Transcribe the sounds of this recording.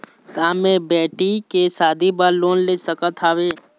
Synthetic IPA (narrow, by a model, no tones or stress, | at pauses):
ɡaːmːẽbɛːʈikesaːd̪ʱibaɾloːnleːsəkət̪ʰaːweː